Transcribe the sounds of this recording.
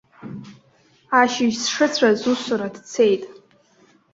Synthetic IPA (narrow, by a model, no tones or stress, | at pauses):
aʃɪʒsʂɨt͡sʷʰazusaɾadt͡sʰejtʼ